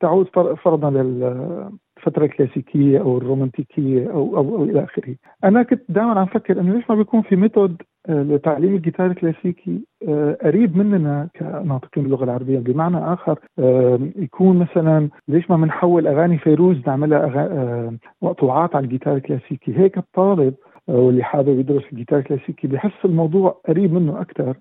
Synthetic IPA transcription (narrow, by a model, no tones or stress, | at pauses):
t̪aʕuːd̪fɑɾˤfɑɾˤɑd̪ˤnɑlɪl | fat̪ɾˤɑlklaːsiːkʰɪjːaʔawɪrːoːmant̪iːkʰɪjːaʔawʔawʔawʔɪlaʔaːxɪɾhi | ʔanakʊnt̪d̪aːjmanʕanfakːɪɾʔɪnːoleːʃmabɪjkuːnfimeːt̪od̪ | lɪt̪ːaʕliːmɪlɡɪt̪ɑːɾˤlklaːsiːkʰiʔaɾiːbmɪnːnakʰa̰nɑːt̪ɨ̥qiːnbɪlːʊɣalʕɑɾˤɑbɪjːabɪmaʕnaʔaːxɑɾˤ | jakʰuːnmasalanleːʃmamɪnħawːɪlʔaɣaːnifejɾuːznɪʕmɪlaʔaɣa | mɑʔt̪ˤuːʕɑːt̪ʕalalɡɪt̪ɑːɾˤɪlklaːsiːkiɦeːkɨt̪ˤːɑːlɪb̚ | wɪlːiħaːwɪbjɪd̪ɾʊsɪlɡɪt̪ɑːɾɪklaːsiːkibɪħɪsːɪlmɑwd̪ˤuːʕʔaɾiːbmɪnːʊʔakt̪ɑɾˤ